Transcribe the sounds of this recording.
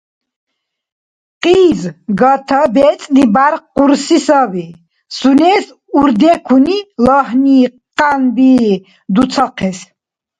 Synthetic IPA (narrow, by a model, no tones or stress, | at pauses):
qʼiːzɡat̪ʰabɛt͡sʼlibaɾquɾsisavi | sunɛːs | uɾd̪ɛkʰunilɔhni | qʼanbiː | d̪ut͡sʰaqʰɛs